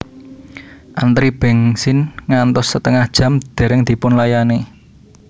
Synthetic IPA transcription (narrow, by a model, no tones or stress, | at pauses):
ʔant̪ɾib̥ɛ̤ŋsɪnŋant̪ɔsːət̪əŋahd̥ʒ̥a̤md̪̥e̤ɾɛŋd̪̥i̤pʊnlajane